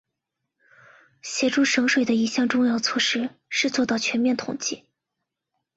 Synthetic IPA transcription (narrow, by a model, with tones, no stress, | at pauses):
ɕjɛ˨˩ʈ͡ʂu˥˩ʂɤ˧˥ŋʂwe˨˩ɪd̪ə˩i˧˥˩ɕjɑ˥˩ŋʈ͡ʂʊ˥˧ŋjɑ˥˧ʊt͡sʰwɔ˥˩ʂɻ̩˥ʂɻ̩˥˧t͡swɔ˥˧t̪ɑ˥˩ʊt͡ɕʰɥɛ˧˥nmjɛ˥˩nt̪ʰʊ̰˨˩ŋt͡ɕi˥˩